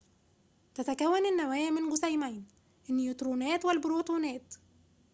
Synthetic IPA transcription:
t̪æt̪ækæwːænɪnːæwæːjmɪnɡʊsæjmæjn | ʔɪnːijut̪ɾuːnæːt̪wɪlbɾut̪uːnæːt̪

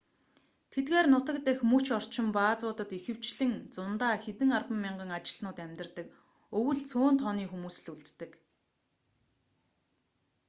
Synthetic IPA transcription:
t̪ʰet̪ɣeːrnʊt̪ə̆k̚t̪exmɵt͡ɕɔr̥t͡ɕɪ̆mpaːt͡sʊːt̪ə̆t̪ixɘ̆w̥t͡ɕɮɘ̆ŋt͡sʊnt̪aːxet̪ɘ̆ŋarpə̆mːɪɴɢə̆ŋat͡ɕɪ̆ɮnʊːt̪æmʲt̪ə̆rt̪ə̆k | ɵwɘ̆ɮt͡sʰoːnt̪ʰɔniːxumuːs̆ɮuɮt̪ːɘ̆k

